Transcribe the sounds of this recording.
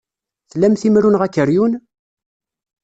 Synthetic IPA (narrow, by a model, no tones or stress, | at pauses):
θlːæmθimɾunʁækːəɾjun